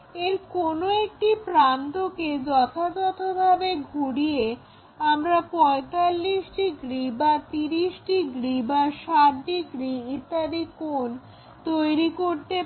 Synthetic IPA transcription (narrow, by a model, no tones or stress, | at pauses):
eɾkonoek̚ʈipɾant̪oked͡ʑɔt̪ʰad͡ʑɔt̪ʰobʱabeɡʱuɽie | amɾapɔet̪alːiʃʈiɡɾibat̪iɾiʃʈiɡɾibaʃatɖiɡɾiit̪ːad̪ikon | t̪ojɾikoɾt̪e